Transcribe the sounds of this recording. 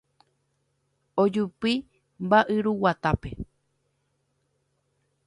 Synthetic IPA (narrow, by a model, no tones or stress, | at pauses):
od͡ʒupi | mbaʔɨɾuwat̪ape̞